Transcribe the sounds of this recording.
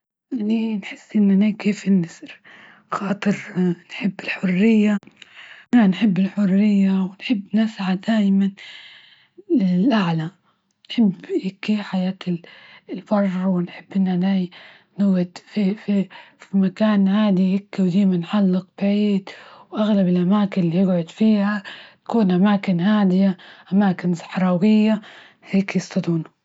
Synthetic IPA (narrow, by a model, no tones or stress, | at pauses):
ʔʔaninħɪsːʔɪnːanajkiːfɪnːasɾ | xɑːt̪ˤɨɾnħɪbːɪlħʊrːɪjːaʔananħɪbːɪlħʊrːɪjːawɪnħɪbːnɪsʕad̪aːjman | ɪlʔaʕla | nħɪbːjɪkːiħajaːt̪ɪlbɑrˤːwɪnħɪbːʔɪnːanaːj | nɪɡad̪fififimakaːnhaːd̪ijɪkːiwd̪aːmanħalːɪq̚b̥aʕiːd̪wʔaɣlabɪlʔamaːkɪnlijɪɡʕʊd̪fiːhat̪ḁkuːnʔamaːkɪnhaːd̪ɪjaʔamaːkɪnsˤɪ̥ħɾˤɑːwɪjːa | heːkjɪst̪ɑd̪uːna